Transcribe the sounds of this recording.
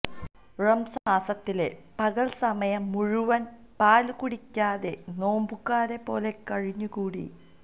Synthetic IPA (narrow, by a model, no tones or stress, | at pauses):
rɐmsɐaːsɐt̪ːile̞pɐɣɐɭsɐmɐjɐmːuɻuʋɐn | paːlkuɽikʲːaːðe̞no̞ːmbukːaːɾe̞pːo̞ːle̞kɐɻiɲːukuːɽḭ